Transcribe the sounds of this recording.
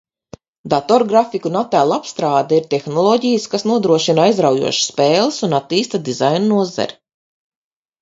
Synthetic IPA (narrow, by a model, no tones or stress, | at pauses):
d̪at̪ɔɾɡɾafikunat̪ːælˠapst̪ɾaːd̪aiɾt̪ɛxnɔlˠɔɟijəskasnuɔd̪ɾuɔʃinajzɾawjṵɔʃsːpeːlˠɨsunat̪ːiːst̪ad̪izajnunuɔza̰ɾi